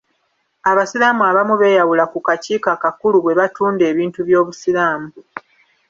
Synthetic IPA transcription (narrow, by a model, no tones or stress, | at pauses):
aβasiɾaːmuaβamuβe̞ːjawulakukaciːkakakuluβwe̞βatuːnde̞ːβiːntuβjo̞ːβusiɾaːmu